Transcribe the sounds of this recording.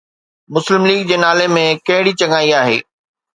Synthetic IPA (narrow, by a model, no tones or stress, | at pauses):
mʊslɪmliːɡd͡ʑeːnaːlemẽkɐ̃ɦɪɽit͡ɕɐŋaːiaːɦḛː